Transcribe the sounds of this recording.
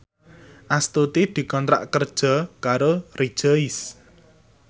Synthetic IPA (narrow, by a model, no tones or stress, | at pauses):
ʔast̪ut̪id̪̥i̤kɔnt̪ɾa̰ʔkərd̥ʒ̥ɔ̤kaɾori̥ʒ̥aɪs